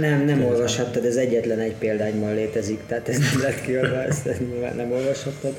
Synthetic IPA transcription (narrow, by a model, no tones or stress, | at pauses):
nɛmnɛmo̞lvɒʃhɒt̪ːɒd̪ɛzɛɟːɛt̪lɛnɛcpeːld̪aːɲbɒnleːt̪ɛzikt̪ɛat̪ɛznɛmlɛt̪kiod̪ʋɒsɛilma̰ːnnɛmo̞lvɒʃhɒt̪ːɒd̪